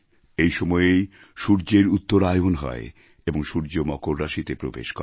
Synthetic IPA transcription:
ejʃɔmɔeej | ʃuɾd͡ʑeɾut̪ːoɾajonɦɔ̰e | eboŋʃuɾd͡ʑomɔkoɾːaʃit̪epɾobḛʃkɔ

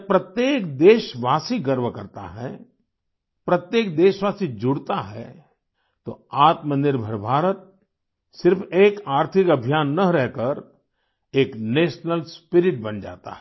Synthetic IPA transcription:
pɾɐt̪jeːkd̪eːʃʋaːsiɡəɾʋəkɐɾt̪a̰ɦɛ̰ | pɾɐt̪jeːk̚d̪eːʃʋaːsid͡ʒʊɽt̪aɦɛ̰ | t̪o̰aːt̪mənɪɾbʱəɾbʱaːɾət̪̚ | sɪɾfeːkaːɾt̪ʰɪkɐbʱijaːnːɐɾɛɦkəɾ | eːkneːʃnəlspɪɾɪʈ̚bɐnd͡ʒa̰ːt̪a̰ɦɛ

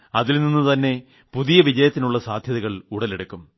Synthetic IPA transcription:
ɐðilninːut̪ɐnːe̞ | puðijɐʋid͡ʑɐjɐt̪ːinuɭːɐsaːd̪ʱjɐðɐɣɐɭuɽɐleɽukːum

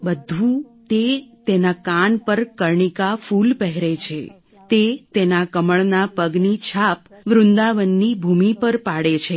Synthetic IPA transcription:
bəd̪ʱũt̪et̪enakanpəɾkəɾɳikafulpɛɦɾet͡ʃʰḛ | t̪et̪enakəməɭnapəɡnit͡ʃʰapʋɾʊnd̪aʋənːibʱumipəɾpaɽet͡ʃʰe

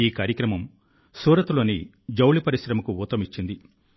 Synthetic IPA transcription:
iːkaːɾjɐkɾɐmɐm | suːɾɐt̪ulo̞ːni | d͡ʒɐwlipɐɾisɾɐmɐkuuːt̪ɐmit͡ʃːind̪i

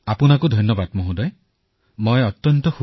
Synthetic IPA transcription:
apunakud̪ʱɔjnjɔbad̪mɔɦũd̪aj | mɔeɔt̪jɔnt̪ɔkʰu

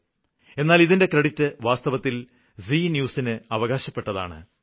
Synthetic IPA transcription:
e̞nːaːliðinde̞krɐɽitːɨʋaːst̪ɐʋɐt̪ːil | sinjuːsinɨɐʋɐɣaːɕɐpːe̞ʈːɐða̰ːɳɨ̰

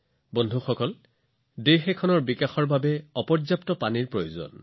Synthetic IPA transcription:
bɔndʱuxɔkɔl | dexɛkʰɔnɔɹbikaxɔɹbabɛɔpɔɹzjaptɔpaniɹpɹojozɔ̰n

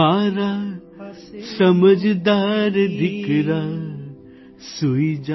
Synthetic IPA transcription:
aːɾa | səməd͡ʒd̪aːɾd̪ɪkɾa | suid͡ʒa

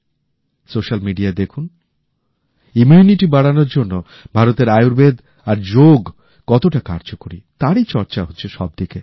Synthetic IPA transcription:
soʃalmiɖiad̪ekʰun | umuniʈibaɽanoɾd͡ʑonːo | bʱaɾot̪eɾajuɾbed̪ | aɾd͡ʑoɡ | kɔt̪oʈakaɾd͡ʑokoɾḭt̪aɾit͡ɕɔɾt͡ɕaɦotːɕʰeʃɔb̚d̪ike

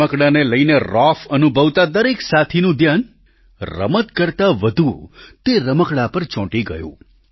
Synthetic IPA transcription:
əkɽaneləineɾɔfənubʱəʋt̪ad̪əɾeksat̪ʰinũd̪ʱjan | ɾə̰mət̪kəɾt̪aʋəd̪ʱut̪eɾəməkɽapəɾt͡ʃɔ̃ʈiɡə̰jṵ̃

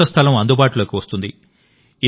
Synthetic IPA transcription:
ɐst̪ʰɐlɐmɐnd̪ubaːʈuloːkiʋɐst̪und̪i | i

